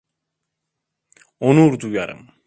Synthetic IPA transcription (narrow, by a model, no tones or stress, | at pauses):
onuɾd̪uja̰ɾɯ̰m